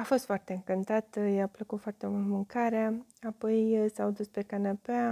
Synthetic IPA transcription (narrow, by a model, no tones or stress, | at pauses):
afo̞st̪foart̪e̞ɨŋkɨnt̪at̪japləkut̪foart̪e̞mult̪mɨŋkaɾeaapo̞jsawd̪uspe̞kanapea